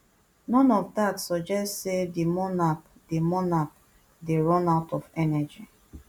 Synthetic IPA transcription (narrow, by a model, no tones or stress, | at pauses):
nɔ̃nɔvdatsɔd͡ʒɛstsedemɔnak | demɔnak̚ | deɹɔ̃naʊtɔfɛnɛd͡ʒi